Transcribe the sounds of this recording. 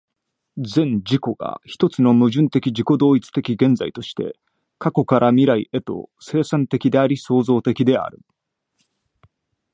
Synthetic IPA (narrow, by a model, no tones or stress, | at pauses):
zẽ̞ɲd͡ʑiko̞ɡ̥a̰çi̥t̪o̞t͡sɨno̞mɯ̟ʑɨ̃nt̪e̞kʲid͡ʑiko̞d̪o̞ːit͡sɨ̥t̪e̞kʲiɡẽ̞nd͡zait̪o̞ɕi̥t̪e̞̰ | kako̞kaɾʔamʲiɾaiʔe̞t̪o̞̰se̞ːsãnt̪e̞kʲid̪e̞aɾʲiso̞ːzo̞ːt̪e̞kʲid̪e̞a̰ɾɯ̟̰